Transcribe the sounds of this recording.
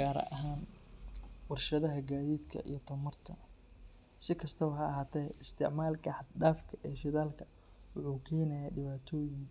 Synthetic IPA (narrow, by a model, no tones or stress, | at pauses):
ɡaːɾɐ̰ʔɐɦaːn | wɑrʃɐðɐɦɐɡaːðiːd̪kʰɐ̰ʔḭjɞt̪ʰɐmɐrt̪ʰɐ | sɪkʰɐst̪ʰɐwɐɦɐɐɦaːt̪ʰɛjɪst̪ʰɪʕmaːlkʰɐħɖaːfkʰɐʔɛːʃɪðaːlkʰɐ̥ | wʊħuːkʰɛːnɐjaːɖɪβaːt̪ʰɔːjɪŋ